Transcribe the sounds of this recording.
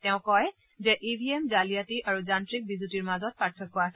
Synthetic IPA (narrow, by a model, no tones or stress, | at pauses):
tɛʊ̃kɔj | zɛʔibʱiemzalijatiʔaɹuzantɹik̚bizutiɹmazɔt̚paɹtʰːɔkːɔasɛ